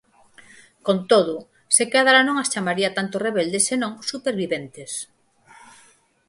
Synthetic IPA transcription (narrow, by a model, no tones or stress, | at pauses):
kont̪oð̞ʊ | sekaðaɾanõŋast͡ʃamaɾiat̪ant̪oreβeld̪esenõŋsupeɾβiβent̪es